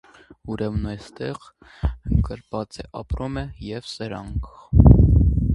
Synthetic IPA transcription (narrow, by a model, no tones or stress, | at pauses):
uɾɛmnɑjst̪ɛʁ | əkəɾvɑt͡sɛʔɑpɾumɛjɛvsəɾɑŋkʰ